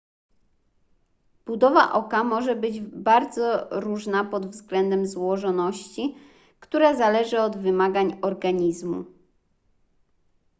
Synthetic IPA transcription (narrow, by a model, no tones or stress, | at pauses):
b̥ud̪ɔva̰ʔɔkamɔʐɛbɘd͡ʑbaɾd̪zɔɾuʐnapɔd̪vzɡlɛnd̪ɛmzwɔʐɔnɔɕt͡ɕi | kt̪uɾazalɛʐɘɔd̪vɘmaɡaɲɔɾɡaɲizmṵ